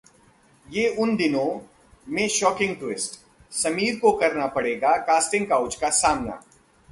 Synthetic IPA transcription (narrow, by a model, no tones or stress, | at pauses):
jeːʊnd̪ɪnõ | mẽʃɔːkɪ̃ŋɡ̚ʈwɪsʈ | sɐmiːɾkokɐɾnapɐɽeːɡakaːsʈɪ̃ŋɡkaːʊt͡ʃkasaːmna̰ː